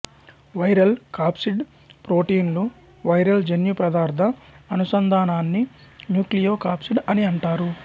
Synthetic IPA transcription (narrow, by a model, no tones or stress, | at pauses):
ʋɐjɾɐlkaːpsiɖ | pɾoːʈiːnlu | ʋɐjɾɐld͡ʒenjupɾɐd̪aːɾd̪ʱɐːnusɐnd̪ʱaːnaːnːinjuːklijoːkaːpsiɖɐniɐɳʈaːɾu